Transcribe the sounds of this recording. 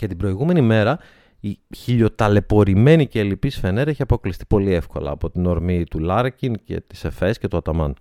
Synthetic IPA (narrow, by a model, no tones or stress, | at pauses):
cet̪ibɾo̞iɣume̞nime̞ɾɐ | içiʎo̞t̪ɐle̞po̞ɾime̞nice̞ːlipisfe̞neɾeçiɐpoklist̪i̥po̞lie̞fko̞̰lɐ̰ːpo̞t̪ino̞ɾmit̪ulɐɾcince̞̰t̪i̥sefe̞scet̪uɐt̪ɐmɐ̰n